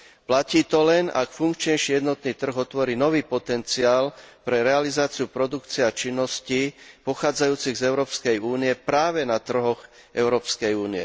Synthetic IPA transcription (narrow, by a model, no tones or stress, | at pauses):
placiːt̪ɔlɛna̰kfuŋkt͡ʃɲɛjʃiːjɛd̪nɔt̪niːt̪r̩ɣɔt̪ʋɔɾiːnɔʋiːpɔt̪ɛnt͡siaːlpɾɛɾɛalizaːt͡siupɾɔd̪ukt͡siɛat͡ʃinːɔscipɔxaːd͡zajuːt͡siɣzɛʊɾɔːpskɛjuːnijɛpɾaːʋɛnat̪r̩ɦɔɣ | ɛʊɾɔːpskɛjuːniɛ̰